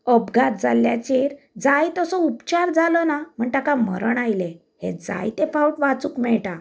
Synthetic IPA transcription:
əbɡat̪̚d͡zalːja̰t͡ɕeɾ | d͡zajt̪ɔsɔupt͡ɕaɾd͡zalɔnam̤əɳʈ̪akamə̰ɾəɳajle | hḛd͡za̰jt̪efawʈʋat͡sukmɛɭʈa

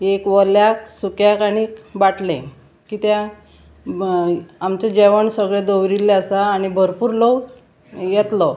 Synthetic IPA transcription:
ekʋɔljaksukjakaɽikbaʈʰlḛ̃ | kiːt̪jã | amt͡ɕed͡ʑeʋəɳsəɡɭɛd̪owɾilːeasaːɽ̃ibʱəɾpuːɾlok | jɛt̪lɔ

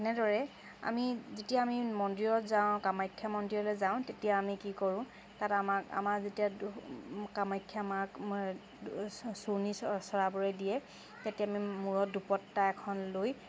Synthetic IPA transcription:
ɛnɛdɔɹɛ | a̰mizetijaːmimɔndiɹɔtzaʊ̃kamajkʰːjamɔndiɹɔlɛzaʊ̃tetijaːmikikɔɹʊ̃ | tatamaka̰mazetija | kamajkʰːjamak | sunisɔɹabɔɹɛdijɛ | tetiaamimuɹɔdupɔtːaɛkʰɔnloj

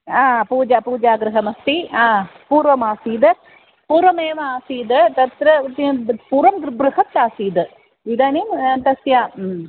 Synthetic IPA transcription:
aːpuːd͡ʒapuːd͡ʒaːɡɾɨɦɐmɐst̪iaːpuːɾʋɐmaːsiːd̪ɐ | puːɾʋɐmeːʋɐaːsiːd̪t̪ɐt̪ɾɐt̪puːɾʋɐmɡɾbɾɨhɐt̪ːaːsiːd̪ɨ | ʋid̪aːnimt̪ɐsjaː

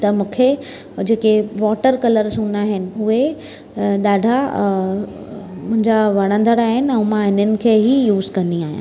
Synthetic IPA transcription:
t̪ɐmũːkʰe | d͡ʑeːkeʋɔːʈəɾkɐləɾsũːnaːɦɪnɪ̆ʊɦe | ɗaːɖʱa | mʊ̃ɦɪ̃ɲd͡ʑaʋɐɽ̃ə̃nd̪əɽaːɦɪnɪ̆ɛ̃ːmãɪnənɪ̆kʰeːɦijuːzkɐniaːɦjã̰

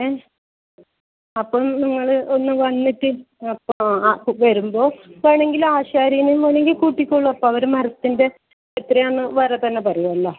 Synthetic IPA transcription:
e | ɐpːɐmniŋːɐɭɨonːɨʋɐnːitːɨ | ɐpːoʋɐɾumbo̞ːkaːjɳe̞ŋɡilaːɕaːɾijɐnumʋɐneŋɡilkuːʈːikʲːoɭːuɐpːoːɐʋɐɾumɐɾɐt̪ːinde̞ː | t̪ːreonːɨʋɐɾet̪ːɐnːe̞pɐrɐjumɐlːo

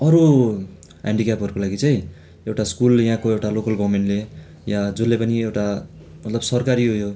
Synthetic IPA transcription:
ʌɾu | ɦḛɳɖikapʌɾukolaɡit͡sʌj̃ | ewʈaskuljɦãkoewʈalokʌlɡʱʌwmeɳʈle | jad͡zolːepʌniewʈa | mʌt̪lʌbsʌrkaɾiɦujo

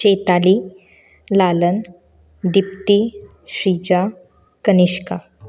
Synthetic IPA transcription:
t͡ɕet̪ali | lalən | d̪ip̚t̪i | ɕɾid͡ʑa | kəniɕka

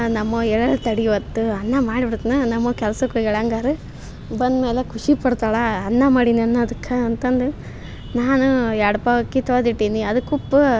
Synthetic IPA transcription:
nɐmːɐɛɭɐlt̪ɐɽiʋɐt̪ːuɐnːɐmaːɽibiɾut̪nɐnɐmːɐkɛlɐsɐkːuɡɛɭɐːŋɡaːɾɯ | bɐnd̪meːlekʰuʂipɐɽt̪aːɭɐːnːɐmaːɽiniɐnːɐɐd̪ɐkʰːɐɐnt̪ɐnd̪u | naːnuaːɽɐpaʋɐkːit̪oːd̪iʈːiːniɐd̪ukːupːu

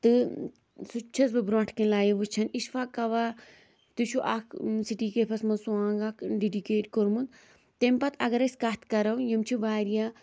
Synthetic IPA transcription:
t̪ɨ | sut͡ʃʰɐsbɨbɾõːɳʈʰkinlaːjiʋut͡ʃʰɐniʃfaːkɐʋa | t̪ɨt͡ʃʰuʔaksiʈiːkepʰɐsmɐnsuãːŋɡaːkɖiɖikeːʈkoɾmun | t̪empɐt̪ʰɐɡɐɾɐsʲkaːt̪ʰkɐɾɐwjimt͡ʃʰibaːɾijaː

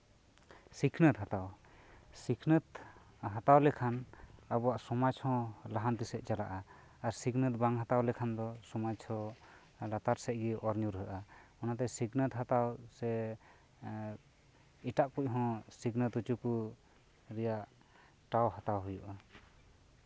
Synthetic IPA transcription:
sikʰnət̪ɦat̪aw | sikʰnət̪ | ɦat̪awlɛkʰanabɔwaʔsɔmat͡ʃhɔ̃laɦant̪isɛʔ̚t͡ʃalaʔaː | ɾsiɡnət̪̚baŋɦat̪awlɛkʰand̪ɔsɔmat͡ʃʰhɔ̃ | lat̪aɾsɛʔ̚ɡiɔɾɲuɾɦəʔa | ɔnat̪ɛsiɡnət̪ɦat̪awsɛ | iʈaʔpuc̚ɦɔ̃siɡnət̪ut͡ʃuku | ɾɛjaʔ | ʈawɦat̪awɦujuʔa

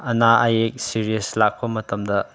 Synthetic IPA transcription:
ɐnaʔɐjek̚siɾijeslak̚pɐmɐtɐmdɐ

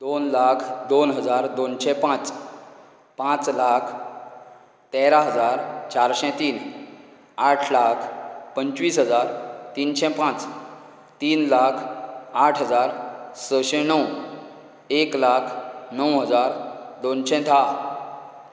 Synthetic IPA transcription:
d̪onlakʰd̪onɦəd͡zaɾd̪onɕɛpãt͡s | pãt͡slakʰ | t̪eɾaɦəd͡zaɾt͡ɕaɾɕɛ̃t̪iːn | aʈʰlakʰpəɲt͡ɕʋiːsɦəd͡zaɾt̪iːnɕɛ̃pãt͡s | t̪iːnlakʰaʈʰɦəd͡zaɾsəɕɛ̃nəw | eklakʰnəwɦəd͡zaɾd̪onɕɛ̃d̪ʱa

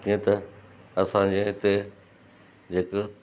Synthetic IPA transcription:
t̪ʰiẽt̪ɐɐsãd͡ʑeɦɪt̪e | d͡ʑeːk

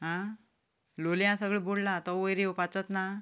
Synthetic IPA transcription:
ɦã | loljãsəɡɭeboɽlat̪ɔojɾipat͡sɔt̪na

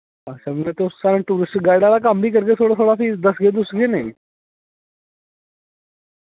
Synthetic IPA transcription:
at͡ɕaməɡat̪ossaɾəɳʈuɾisʈɡajɽalakambiːkəɾɡesoɽasʰoɽafiːd̪əsɡed̪usɡenaj

